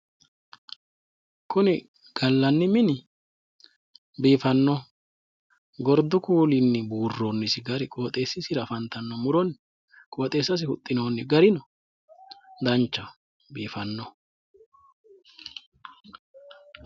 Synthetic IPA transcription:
kʰʊnɪ | ɡ̥ɐlːɐnːɪmɪnɪ | biːfɐnːɔ | ɡɔɾd̪ʊkuːlɪnːɪbuːrːoːnːɪsɪɡɐɾɪkʼo̞ːt̪ʼe̞ːsːɪsɪɾɐfɐnt̪ɐnːɔmʊɾɔnː | kʼo̞ːt̪ʼe̞ːsːɐs̬ɪhʊt̪ʼːɪno̞ːnːɪɡɐɾɪnɔ | d̪ɐnt͡ʃːɐ | biːfɐnːɔ

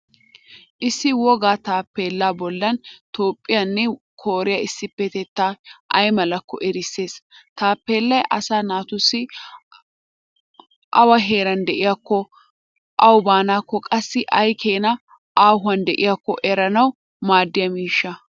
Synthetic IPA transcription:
ʔɪsːɪwɔɡaːt̪aːpːeːlːaːbɔlːɐnt̪o̞ːpʼːɪjɐnːɛ | kʰoːɾɪjɐɪsːɪpːɛt̪ɛt̪ːaːʔɐjmɐlɐkːɔ̰ʔɛɾɪsːe̞ːst̪aːpːeːlːɐjʔɐ̰saːnaːt̪ʊsːɪ | ʔɐwɐɦe̞ːɾɐnd̪ɛʔɪjakːɔ | ʔɐwbaːnaːkːɔkʼɐsːɪʔɐjkʰeːnɐ | ʔaːhʊɐnd̪ɛʔɪjakːɔ̰ʔɛɾɐnɐw | maːd̪ːɪjɐmiːʃːɐ

